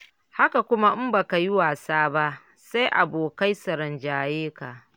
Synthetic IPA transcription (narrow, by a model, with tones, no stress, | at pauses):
ha˦ka˨kʷʊ˦ma˦ʔɪ˦mba˨ka˨ji˦waː˨saː˦ba˦ʔ | sa˦jʔa˨boː˨ka˦jsɐ˨ɾɐ˨nd͡ʒaː˨jeː˦ka˨ʔ